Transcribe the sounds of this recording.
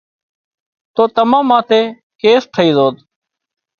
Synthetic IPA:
t̪oːt̪əmãːmãːt̪ʰeː | keːst̪ʰəiːzoːd̪

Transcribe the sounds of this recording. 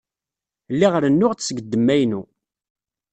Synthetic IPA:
lːiʁəɾənːʊʁt͡ssɡəd̪ːəmːæjnu

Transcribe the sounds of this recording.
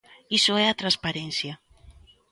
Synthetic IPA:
isʊɛɐt̪ɾaspaɾɛnθjɐ

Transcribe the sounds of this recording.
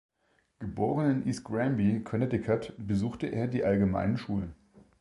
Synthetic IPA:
ɡ̥əboːʁ̞ənɪnʔiːsɡ̥ʁɛmbikʰɔnɛtɪkʰatbəzuːxtəʔḛːɐdiːʔalɡəma̰ɪnənʃuːlən

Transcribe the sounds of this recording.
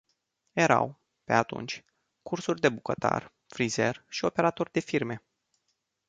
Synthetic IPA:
je̞ɾa̰w | pe̞̰at̪ṵnt͡ʃʲ | kursurʲd̪e̞bukət̪a̰r | fɾize̞rʃio̞pe̞ɾat̪o̞rʲd̪e̞firme̞

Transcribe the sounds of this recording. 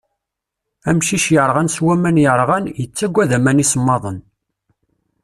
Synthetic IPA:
æmʃiʃjəɾˤʁænswæmænjəɾˤʁænjət͡sːæɡʷːæðæmænisəmːɑðˤən

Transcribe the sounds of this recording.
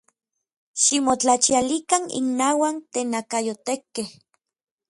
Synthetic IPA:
ʃimot͡ɬat͡ʃialikanḭnːaːwant̪eːnakajot̪ekːeh

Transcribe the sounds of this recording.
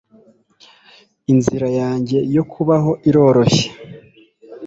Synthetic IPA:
inziɾajaːɲɟe̞jo̞kʰuβaɦo̞ʔiɾo̞ːɾo̞çe̥

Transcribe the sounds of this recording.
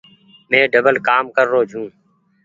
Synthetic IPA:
mẽːɖəbəlkaːmkəɾːoːd͡ʒʱũː

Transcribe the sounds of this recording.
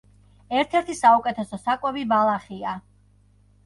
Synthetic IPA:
ɛɾt̪ʰɛɾt̪ʰisaukʼɛt̪ʰɛsɔsakʼwɛbibalˠaχia

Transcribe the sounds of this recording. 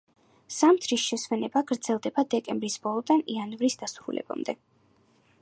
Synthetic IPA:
samt̪ʰɾisʃɛswɛnɛbaɡɾd̪z̥ɛlˠd̪ɛbad̪ɛkʼɛmbɾisb̥ɔlˠɔd̪anianvɾisd̪asuɾṵlɛ̰ba̰md̪ɛ

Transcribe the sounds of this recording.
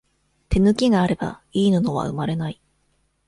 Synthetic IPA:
t̪e̞nɯ̟kʲiɡaːɾe̞ba̰iːnɯno̞β̞a̰ɯ̟̰maɾe̞nai

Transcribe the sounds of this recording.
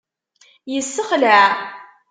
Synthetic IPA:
jəsːəχlaʕ

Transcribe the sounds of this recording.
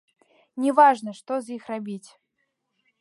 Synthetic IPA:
nʲɛvaʐnɐʂt̪ɔzjixrabʲit͡sʲ

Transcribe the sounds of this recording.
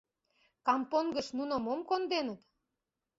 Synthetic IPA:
kɑmponɡə̆ʃnunəmomkond̪enət̪

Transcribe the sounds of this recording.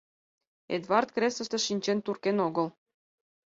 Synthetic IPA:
ḛd̪vɑrt̪kresə̆ʃt̪eʃinʲt͡ɕent̪urkenoɡəl

